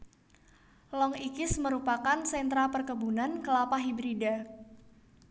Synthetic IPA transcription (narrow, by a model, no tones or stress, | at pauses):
lɔŋikɪsməɾupakansɛnt̪ɾapərkəbunankəlapaɦibɾida